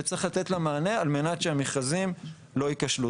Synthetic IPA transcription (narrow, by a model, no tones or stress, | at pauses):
et͡sʁiχlat̪e̞tlamaːne̞alme̞natʃeamiχazim | lo̞ikaʃlu